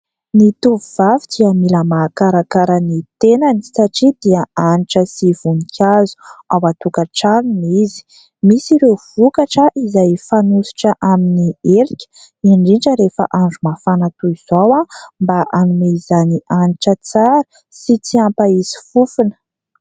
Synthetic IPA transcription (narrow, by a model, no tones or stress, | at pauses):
nit̪uvivavidiamiləmaːkaɾakaɾənit̪enanisaʈ͡ʂid̪̥iəaniʈ͡ʂəsiv̥unikʲʰazu̥awat̪ukaʈ͡ʂalinizi̥ | misiɾewv̥ukaʈ͡ʂəʔizajfanusi̥ʈ͡ʂəʔaminieɾikʲə̥ | iɳɖ͡ʐiɳʈ͡ʂəɾefə̰ʔaɳɖ͡ʐumafanat̪uiz̥owambaʔanumeizaniʔaniʈ͡ʂət͡saɾə̥ | sit͡siampaizi̥fufunə̥